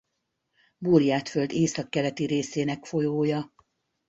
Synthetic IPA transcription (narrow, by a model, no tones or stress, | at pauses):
burijaːt̪føld̪eːsɒkːɛlɛt̪iɾeːseːnɛkfo̞joːjɒ